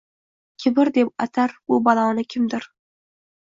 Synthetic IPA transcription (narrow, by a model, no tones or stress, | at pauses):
kʲʰɪbɪɾd̪e̞p̚ɑt̪ʰaɾbʊbɑlˠɑnɪkʲʰɪmd̪ɪɾ